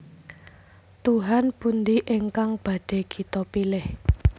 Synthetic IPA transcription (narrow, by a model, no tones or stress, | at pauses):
t̪uɦanbund̪iʔeŋkaŋb̥a̤d̥e̤ɡ̥i̤t̪ɔpilɪh